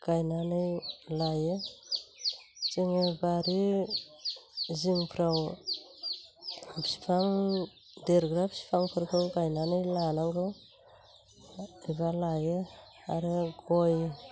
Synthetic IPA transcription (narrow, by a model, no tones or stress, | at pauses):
ɡ̥ajnanɯjlaje | t͡ʃiŋebaɾi | ziŋpʰɾaw | bsi̥pʰaŋ | deɾɡɾabsi̥pʰaŋpʰɯɾkʰɯŋɡajnanɯjlanaŋɡɯw | ibalaje | aɾeɡoj